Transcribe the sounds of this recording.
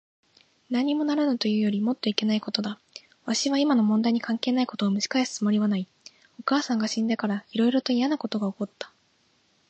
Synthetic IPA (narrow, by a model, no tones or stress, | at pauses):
naɲ̟imo̞naɾɯ̟not̪o̞jɯ̟ːjo̞ɾʲimo̞t̪ːo̞ike̞naiko̞t̪o̞d̪a | βaɕiβaimano̞mond̪aiɲ̟ikãŋke̞ːnaiko̞t̪o̞ːmɯ̟ɕi̥kaesɨ̥t͡sɨmo̞ɾʲiβanai | o̞kaːsãŋɡaɕĩnd̪ekaɾaiɾo̞iɾo̞t̪o̞ijanako̞t̪o̞ɡao̞ko̞t̪ːḁ